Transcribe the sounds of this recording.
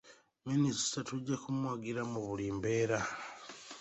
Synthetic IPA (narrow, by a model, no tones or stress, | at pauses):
ministatuɟːakumwaɡiɾamuβuliːmbe̞ːɾa